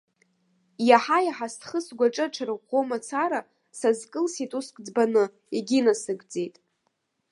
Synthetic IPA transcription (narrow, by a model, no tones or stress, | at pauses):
jaħajaħastʰʼχəsɡʷaʈ͡ʂʼɨʈ͡ʂʰaɾɨomat͡sʰaɾa | sazkʼɨlsitʼuskʼd͡zbanɨ | iɡʲinasɨɡd͡ze̞jtʼ